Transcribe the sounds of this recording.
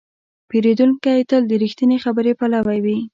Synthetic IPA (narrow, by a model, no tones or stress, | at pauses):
peɾed̪uŋkajt̪əld̪əɾixt̪ənexabəɾepalawawi